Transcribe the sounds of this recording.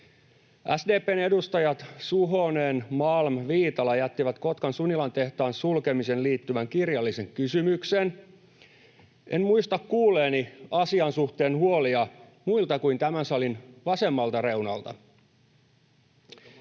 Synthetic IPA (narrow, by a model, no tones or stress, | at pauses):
ʔæsdeːpeːne̞dust̪ɑjɑt̪suɦoneːnmɑlmʋiːt̪ɑlɑjæt̪ːiʋæt̪ko̞t̪kɑnsunilɑnt̪e̞ht̪ɑːnsulke̞mise̞nliːt̪ːyʋæŋkirjɑlːise̞ŋkysymykse̞n | ʔe̞nmuist̪ɑkkuːleːniɑsiɑnsuht̪e̞ːnhuo̞liɑmuilt̪ɑkuint̪æmænsɑlinʋɑse̞mːɑlt̪ɑre̞wnɑ̰lt̪ɑ̰